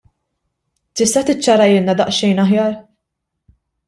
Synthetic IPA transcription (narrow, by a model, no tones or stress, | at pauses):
t̪ɪst̪ɐt̪ɪt͡ʃːɐɾɐjɪlnɐd̪ɐʔʃɛjnɐɦjɐːɾ